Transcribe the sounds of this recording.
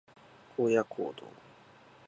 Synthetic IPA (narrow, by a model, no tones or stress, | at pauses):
kʰojakʰo̰d̪o̰